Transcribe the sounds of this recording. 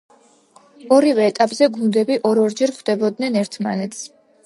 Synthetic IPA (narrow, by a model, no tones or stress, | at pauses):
ɔɾivɛːt̪ʼapʼzɛɡund̪ɛbiʔɔɾɔɾd͡ʒɛɾχd̪ɛbɔd̪nɛnɛɾt̪ʰma̰nɛt̪sʰ